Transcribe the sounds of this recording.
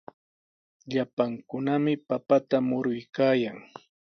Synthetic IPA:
ʎapaŋkʊnamɪpapat̪amʊɾʊjkaːjaŋ

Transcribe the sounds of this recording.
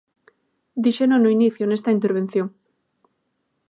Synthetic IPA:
d̪iʃenonoiniθjonest̪aint̪eɾβ̞en̟θjoŋ

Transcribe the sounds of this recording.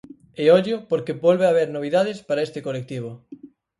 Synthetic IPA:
eoʎʊpoɾkebolβeaβeɾnoβ̞iðaðɪspaɾaest̪ɪkolek̚t̪iβ̞o

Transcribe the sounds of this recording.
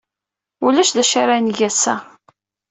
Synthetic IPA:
ulæʃðæʃaɾanʝæsæ̰

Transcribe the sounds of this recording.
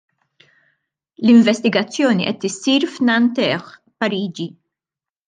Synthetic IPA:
lɪɱvɛst̪ɪɡɐt͡sːjɔːniʔɛt̪ːɪsːiːɾfnɐnt̪ɛx | pɐɾiːd͡ʒi

